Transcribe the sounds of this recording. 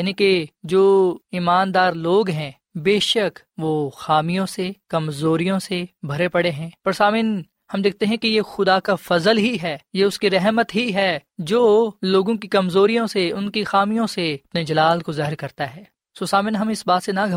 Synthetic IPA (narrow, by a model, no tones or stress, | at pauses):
jniked͡ʒoːimaːnd̪aːɾloːɡɦɛ̃ː | beːʃək | ʋoːxaːmijõsekɐmzoːɾijõsebʱɐɾepɐɽeɦɛ̃ːpɐɾsaːmɪn | hɐmd̪eːk̚ʰt̪eɦɛ̃kejexʊd̪akafɐzəlɦiɦɛːjeʊskiɾɛɦmət̪ɦiɦɛːd͡ʒoːloːɡõkikɐmzoːɾijõseʊnkixaːmijõseɐpned͡ʒɐlaːlkozaːɦəɾkɐɾt̪aɦɛː | soːsaːmɪnɦɐmɪsbaːt̪senaɡʱɐ